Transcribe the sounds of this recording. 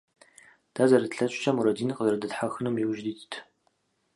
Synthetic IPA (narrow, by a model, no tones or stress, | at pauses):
d̥aːzɐɾɨdɬɐɕʷʼɕʰʼɐmuɾɐdiːnqəzɐɾɐdɨtħaxɨnumjiwʒdiːttʰ